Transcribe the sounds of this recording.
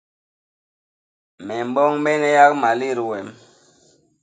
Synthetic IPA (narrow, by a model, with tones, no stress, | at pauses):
mɛ˨mbɔ˦ŋmɛ˦nɛ˦ja˦k̚ma˨li˦˨ɾwɛ˨m